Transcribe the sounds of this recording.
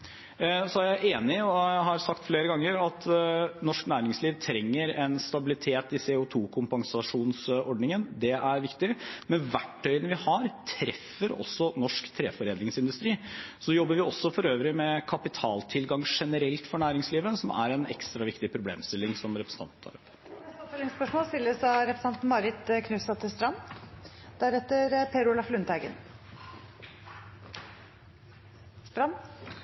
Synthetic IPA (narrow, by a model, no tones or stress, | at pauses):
sɔæɾjæɪʔeːnɪɔɦɑɾsɑkt̪fleːɾəɡɑŋːəɾɑt̪nɔʂknæːɾɪŋsliːʋt̪ʰɾɛŋːəɾɛnst̪ɑbɪlɪt̪ʰeːt̪ɪseːʊt̪ʰuːkʰʊmpɑŋsɑʂuːnsɔɖnɪŋənd̪ɛæɾʋɪkt̪ɪmɛnʋæʈːœʏənʋɪhɑɾt̪ʰɾɛfːəɾɔ̰sːɔnɔʂkt̪ʰɾḛːfɔɾeːd̪ɪŋsɪnd̪ʉst̪ɾiːsɔjɔbːəɾʋɪɔsːɔfɔɾøːʋɾɪmɛkʰɑpɪt̪ʰɑːlt̪ʰɪlɡɑŋʂɛnəɾɛlt̪fɔɳæːɾɪŋsliːʋəsɔmʔæ̰ɾɛnɛ̰kst̪ɾɑʋɪkt̪ɪpʰɾʊblḛːmst̪ɪlːɪŋsɔmɾɛpʰɾəsn̩ʰɑnt̪nʰɑ̰ɾɔp | sɔt̪eːlɪŋspœʂmoːst̪ɪlːəsɑɾɛpɾəsɑnt̪n̩mɑɾɪt̪kʰnʉːsɑt̪ʰɪlst̪ɾɑnː | d̪̥æɾɛt̪ːəɾpʰeːɾʊlɑflʉnt̪æɡə̰n | st̪ɾɑnː